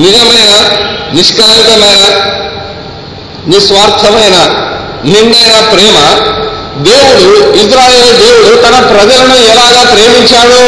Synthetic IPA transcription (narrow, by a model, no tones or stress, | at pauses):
nid͡ʒɐmɐjnɐniʂkɐlɐnit̪ɐmɐjnɐ | nisʋaːɾt̪ʰɐmɐjnɐ | niɳɖɐjnɐpɾɛːmɐ | d̪e̞ːwuɽuisɾaːje̞ːlid̪eːwuɽut̪ɐnɐpɾɐd͡ʒɐlunuɛlaːɡaːkɾeːmiɲt͡ʃaːɽu